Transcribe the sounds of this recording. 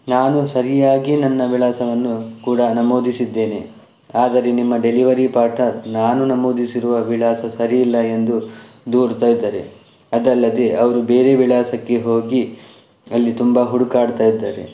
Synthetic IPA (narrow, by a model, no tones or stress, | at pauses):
naːnusɐɾijaːɡinɐnːɐʋiɭaːsɐʋɐnːukuːɽɐnɐmo̞ːd̪isid̪ːe̞ːne̞ | aːd̪ɐɾe̞nimːɐɖe̞liʋɐɾipaːɾʈnɐɾnaːnunɐmo̞ːd̪isiɾuʋɐʋiɭaːsɐsɐɾiːlːɐe̞nd̪u | d̪uːɾt̪aːjid̪ːaːɾe̞̰ | ɐd̪ɐlːɐd̪e̞ʔɐʋɐɾube̞ːɾe̞ʋiɭaːsɐkːe̞ɦo̞ːɡi | ɐlːit̪umbaɦuɽukaːɽt̪aːjid̪ːaːɾḛ